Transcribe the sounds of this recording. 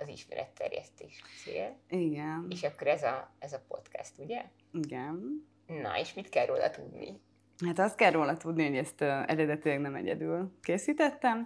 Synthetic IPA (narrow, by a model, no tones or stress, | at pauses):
ɒziʃmɛɾʔɛt̪ːɛ̰rjɛ̰st̪eːʃseːliɡɛneːʃɒkːoɾɛzɒɛzɒpo̞t̪kast̪uɟɛ | iɡɛn | nɒ̰eʃmit̪kɛrːʔoːlɒ̰t̪ud̪nḭ | hat̪ɒst̪̚kɛroːlɒt̪ud̪niho̞ɟɛst̪ːɛ̰ɾɛd̪ɛt̪ilɛɡnɛmɛ̰ɟɛ̰d̪ylkeːsiːt̪ɛt̪ːɛm